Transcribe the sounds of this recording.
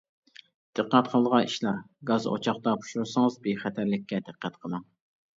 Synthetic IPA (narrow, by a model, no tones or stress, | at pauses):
d̪̥ɨqːæt̪qʰɑlˠʁɑiʃlˠɑɾ | ɡɑzo̰t͡ʃʰɑχt̪ɑpʰu̥ʃuɾsɨŋɨzbeχæt̪ʰæɾlɪkʲʰːɛd̪ɨqʰːæt̪qʰəlˠɑŋ